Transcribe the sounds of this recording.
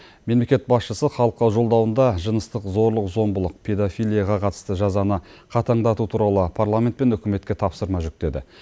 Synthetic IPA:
me̞mle̞kʲe̞t̪̚bɑsʃəsəχɑlˠəq̪ːɑwʒo̞lˠd̪ɑwənd̪ɑʒənəst̪əqzo̞ɾlˠəqzo̞mbəlˠəq̚pʰe̞d̪ofʲijlˠijaʁɑqʰɑt̪ə̥st̪əʒɑzɑnəqʰɑt̪ʰɑɴd̪ɑt̪ut̪ʰuɾɑlˠəpʰarlˠamʲe̞nt̪pe̞nʏkʲɪme̞t̪kʲe̞t̪ʰɑpsəɾmɑʒʏk̚t̪e̞d̪ɪ̰

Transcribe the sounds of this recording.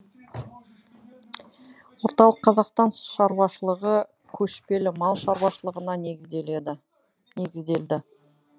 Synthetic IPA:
wo̞ɾt̪ɑlˠəqʰːɑzɑqst̪ɑnʃɑɾuwɑʃəlˠəʁə | kʲʰɵʃpe̞lɪmɑlˠʃɑɾwɑʃəlˠəʁənɑ | ne̞ɡʲɪzd̪eld̪ɪ

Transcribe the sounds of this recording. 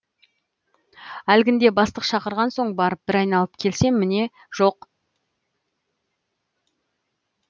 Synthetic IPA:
ælɡʲɪnd̪e̞bɑst̪əqʃɑqəɾʁɑnso̞ɴbɑɾəp̚b̥ɪɾɑjnɑlˠəp̚kʲʰe̞lse̞ŋmɪne̞ | ʒ̥o̞q

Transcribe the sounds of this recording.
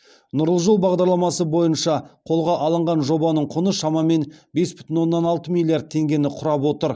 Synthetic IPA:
nʊɾəlˠʒolˠbɑʁd̪ɑɾlˠɑmɑsəbo̞jənʃɑqʰo̞lˠʁɑʔɑlˠəɴʁɑnʒo̞bɑnəɴqʰʊnəʃɑmɑme̞nbe̞sbʏt̪ɪnwo̞nːɑnɑlˠt̪əmilʲˠːijard̪̚t̪ʰe̞ŋɡʲe̞nɪqʰʊɾɑpwo̞t̪əɾ

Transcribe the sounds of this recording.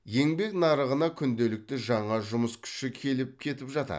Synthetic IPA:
je̞ŋbe̞knɑɾəʁənɑkʲʰʏnd̪e̞lɪk̚t̪ɪʒɑɴɑʒʊməskʲʰʏ̥ʃɪkʲʰe̞lɪp̚kʲʰe̞t̪ɪpʒɑt̪ɑ̰

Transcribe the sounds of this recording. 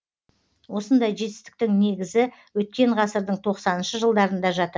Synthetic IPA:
wo̞sənd̪ɑjʒe̞t̪ɪ̥st̪ɪ̥k̚t̪ɪŋne̞ɡʲɪzɪ | wɵt̪̚kʲe̞ɴʁɑsəɾd̪əɴt̪ʰo̞qsɑnənʃəʒəlˠd̪ɑɾənd̪ɑʒɑt̪əɾ

